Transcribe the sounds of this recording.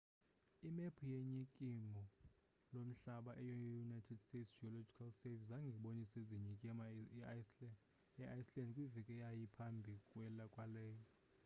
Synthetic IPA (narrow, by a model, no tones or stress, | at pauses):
imepʰujeɲikʼimɔ | lom̩ɬaɓaʔɛjɔjunajtʰɛdstetsd͡ʒiɔlod͡ʒikʰalsevis̬aŋɡʱɛɓoniseziɲikʼim | ɛʔajslɛndkʼwivɛkʼɛjajipʰambʱikʼwɛlakʼwalɛːjɔ